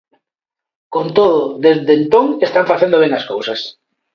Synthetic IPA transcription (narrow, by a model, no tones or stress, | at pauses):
kont̪oðoðezðent̪oŋest̪aɱfaθend̪oβeŋaskowsas